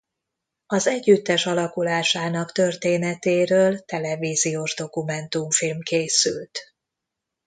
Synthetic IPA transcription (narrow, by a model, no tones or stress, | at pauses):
ɒzɛɟːyt̪ːɛʃɒlɒkulaːʃaːnɒkt̪ø̞rt̪eːnɛt̪eːɾøːlt̪ɛlɛviːzijoʒd̪o̞kumɛnt̪umfilmkeːsy̰lt̪